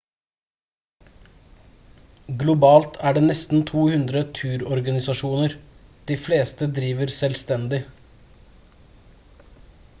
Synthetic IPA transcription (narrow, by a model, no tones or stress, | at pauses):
ɡlʊbɑːlt̪ʰæːɖeːnɛst̪n̩t̪ʰuːhʉnd̪ɾət̪ʰʉːɾɔɾɡɑnɪsɑʃuːnəɾd̪̥iːfleːst̪əd̪ɾiːʋəɾsɛlst̪ɛnd̪ɪ